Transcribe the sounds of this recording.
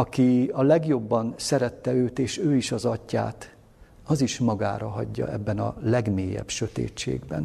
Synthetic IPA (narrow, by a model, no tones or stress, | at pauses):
ɒkiɒlɛɡjo̞bːɒnsɛɾɛt̪ːɛøːt̪eːʃøːiʃɒzɒcːa̰ːt̪ | ɒziʃmɒɡa̰ːɾɒɦɒ̰ɟːɒ̰ʔɛ̰bːɛnɒ̰lɛɡmeːjɛ̰bʃøt̪ḛːt͡ʃːḛːɡbɛ̰n